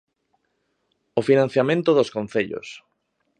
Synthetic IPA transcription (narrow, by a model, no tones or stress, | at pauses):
ofinãn̟θjamẽnt̪oðoskõn̟θeʎo̰s